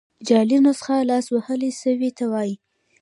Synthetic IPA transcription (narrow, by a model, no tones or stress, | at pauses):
d͡ʒɑlinosə̥xalɑswahəleʃəwit̪awɑji